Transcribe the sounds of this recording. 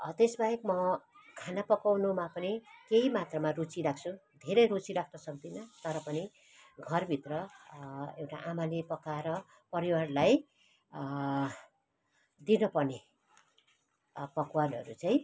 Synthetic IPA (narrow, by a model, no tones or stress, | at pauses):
t̪esbaekmʌ | kʰanapʌkawnumapʌnikeimat̪ramarut͡silak̚t͡sʰud̪ʱeɾʌjɾut͡siɾakʰnʌsʌk̚d̪inʌt̪ʌɾʌpʌni | ɡʱʌrbʱit̪rʌ | ewʈaʔamalepʌkaɾʌ | pʌɾiwarlaj | d̪inʌpʌrne | pʌkwanʌ̰ɾut͡saj̃